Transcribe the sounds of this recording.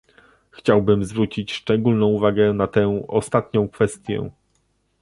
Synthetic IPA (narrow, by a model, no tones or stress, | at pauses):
xt͡ɕawbɘmzvɾut͡ɕit͡ɕʂt͡ʂɛɡulnɔ̃w̃uvaɡɛnat̪ɛ̃ɔst̪at̪ɲɔ̃w̃kfɛst̪ʲjɛ̰